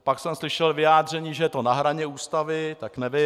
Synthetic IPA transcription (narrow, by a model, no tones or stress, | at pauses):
paksɛmslɪʃɛlvɪjaːd̪r̝ɛɲiːʒɛjɛt̪onaɦɾaɲɛuːst̪avɪt̪aknɛvɪ